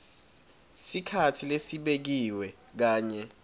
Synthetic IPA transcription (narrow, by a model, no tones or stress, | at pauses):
sikʰatʰilesiɓek̬iwɛ | k̬aːɲɛ